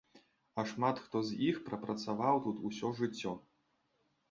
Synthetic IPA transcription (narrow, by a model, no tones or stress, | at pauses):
ɐʂmat̪xt̪ɔzʲixpɾɐpɾɐt̪savawt̪ut̪usʲɔʐɨt͡sʲːɔ